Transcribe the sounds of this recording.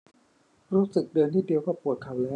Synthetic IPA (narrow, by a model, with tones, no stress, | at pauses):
ɾuː˦˥sɯ˨˩k̚dɤː˧nt̪ʰiː˥˩di˧əwkaː˨˩pu˨˩ət̪̚kʰa˨˩wlɛː˦˥